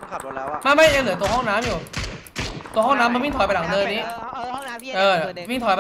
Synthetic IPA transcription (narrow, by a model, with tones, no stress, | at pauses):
ma˥˩ma˥˩ʔeː˧ŋlɯ˨˩˦t̪u˧ɐhɔ˥˩ŋnaː˦˥mjuː˨˩ | t̪u˧hɔ˥˩ŋnaː˦˥ma˧wi˥˩ŋt̪ʰɔ˨˩pa˧jla˩˦ŋdɤː˧niː˦˥ | ʔɤː˧wi˥˩ŋt̪ʰɔ˨˩p